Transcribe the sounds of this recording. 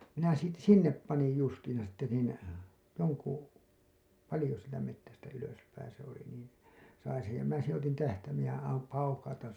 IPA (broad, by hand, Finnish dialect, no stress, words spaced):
minæ siːt sinːep pɑnij justiːĩsɑ sitːe niːn joŋku pɑlĭjo sieltæ metːæstæ yløspæĩː se oli niːn̞ sɑin sej jɑ minæ sẽː otin tæhtæimeːj jɑ ɑm pɑukɑutɑn̞